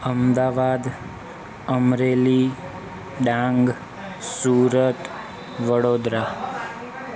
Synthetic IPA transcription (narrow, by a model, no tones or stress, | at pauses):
əmd̪aʋad̪ | əmɾeli | ɖãŋɡ | suɾət̪ | ʋəɽod̪ɾa